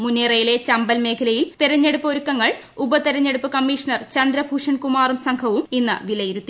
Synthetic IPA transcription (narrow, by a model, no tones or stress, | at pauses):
munːerɐjile̞t͡ɕɐmbɐlme̞ːkʰɐlɐjilt̪iɾɐɲːe̞ɽupːo̞ɾukːɐŋːɐɭ | ubɐt̪iɾɐɲːe̞ɽupːɨkɐmːiːʂɐɳɐrt͡ɕɐnd̪ɾɐbʱuːʂɐnkumaːrumsɐŋkʰɐʋuminːɨ̰ʋilɐjiɾut̪ːi